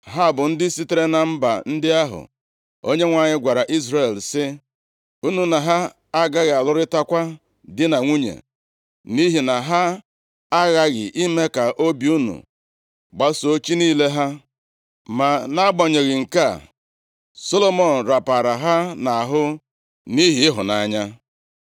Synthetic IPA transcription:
ɦa˦˨bʊ˨n̩˦dɪ˦si˦te˨ɾe˦na˨m̩˦ba̰˨n̩˦dɪ˦a˦ɦʊ̰˨ | o˦ɲe˦ŋʷa˨ɲɪ˦ɡʷa˨ɾa˨ʔi˦zɾe˦˨lsɪ˦ | u˦nu˨na˨ɦa˦ | a˦ɡa˦ɣɪ˨a˨lʊ˦ɾɪ˦ta˦kʷa˦ | dɪ˦na˨ŋʷu˦ɲḛ˨ | ni˦ɦi˨na˨ɦa˦ | a˦ɣa˦ɣɪ̰˨ʔi˦me˦ka˨ʔo˦bi˦u˦nṵ˨ | ɡ͡ba˦so˦t͡ʃi˦niː˦le˦ɦa˦ | ma˨na˦ɡ͡bɔ˨ɲe˨ɣɪ˨ŋ̩˨ka˦˨ | so˦lo˦mɔ˨n̩˨ɾa˨pa˨ɾa˨ɦa˦na˨a˨ɦʊ˦ | ni˦ɦi˨ɪ˦ɦʊ̰˨na˨ɲa˦

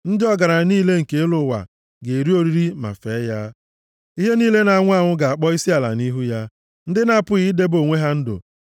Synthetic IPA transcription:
n̩˦dɪ˦ɔ˦ɡa˨ɾa˨niː˦le˦ŋ̩˨ke˨e˦lʊ˨˦wa̰˨ | ɡe˨ɾi˦o˦ɾi˦ɾi˦ma̰˨fe˨˦ja˦ | i˦ɦe˦niː˦le˦na˨ŋʷ˦a˦˨ŋʷʊ˦ɡa˨a˨k͡pɔ˦i˦si˦a˨la̰˨ni˦ɦu˦ja˦ | n̩˦dɪ˦na˦pʊ˦ɣi˦de˦bo˨ŋʷe˦ɦa˦n̩˦dʊ̰˨

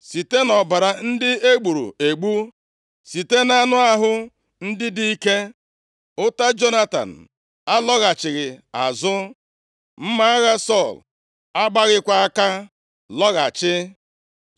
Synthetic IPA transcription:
si˨te˦nɔ˨ba˨ɾa˨n̩˦dɪ˦e˦ɡ͡bu˨ɾṵ˨e˨ɡ͡bu˦ | si˨te˦na˦nʊ˦a˦ɦʊ˦ | n̩˦dɪ˦di˦i˦ke˦ | ʊ˦ta˦d͡ʒo˦na˦ta̰˨n̩˨ | a˦lɔ˦ɣa˨t͡ʃɪ˨ɣɪ˨a̰˨zʊ˦ | m̩˦ma˦a˦ɣa˦sɔ˦˨l | a˦ɡ͡ba˦ɣɪ˦kʷa˦a˦ka˦ | lɔ˦ɣa˨t͡ʃɪ˦

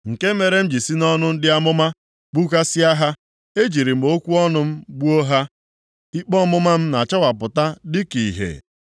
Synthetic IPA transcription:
ŋ̩˨ke˦me˨ɾe˦m̩˦d͡ʒi˨si˦nɔ˦nʊ˦n̩˦dɪ˦a˦mʊ˦ma˦ | k͡pu˦ka˦sɪ˦a˦ɦa˦ | e˦d͡ʒi˨ɾi˨m̩˨o˦kʷu˦ɔ˦nʊ˦m̩˦ɡ͡bu˦o˦ɦa˦ | i˦k͡pɔ˦mʊ˦ma˦m̩˦na˨t͡ʃa˦wa˨pʊ˨ta˦dɪ˦ki˨ɦḛ˨

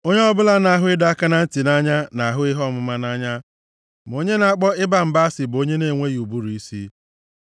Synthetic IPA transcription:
o˦ɲe˦ɔ˦bʊ˦la˦na˨a˨ɦʊ˦ɪ˦da˦a˦ka˦na˦n̩˦ti˨na˦ɲa˦na˨a˨ɦʊ˦ɪ˦ɦɔ˦˨mʊ˦ma˦na˦ɲa˦ | m˨o˦ɲe˦na˨a˨k͡pɔ˦ɪ˦ba˨m̩˨ba˦a˦sɪ˨bo˦ɲe˦ne˦˨ŋʷe˦ju˨bu˦ɾu˨i˦si˦

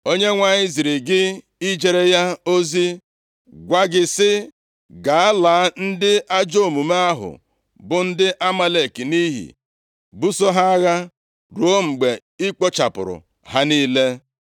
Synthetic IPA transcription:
o˦ɲe˦ŋʷa˨ɲɪ˦zi˨ɾi˨ɡɪ˦ | i˦d͡ʒe˨ɾe˦ja˦o˦zi˦ | ɡʷa˦ɡɪ˨sɪ˦ | ɡa˨a˦la˨˦n̩˦dɪ˦ʔa˦d͡ʒo˦˨mu˨ma˦a˦ɦʊ̰˨ | bʊ˨n̩˦dɪ˦ʔa˦ma˦le˨ki˨ni˦ɦḭ˨ | bu˦so˦ɦa˦ɣa˦ | ɾu˨˦o˦ŋ͡m̩˨ɡ͡be˨ | i˦k͡po˦t͡ʃa̰˨pʊ̰˨ɾʊ̰˨ | ha˦niː˦le˦

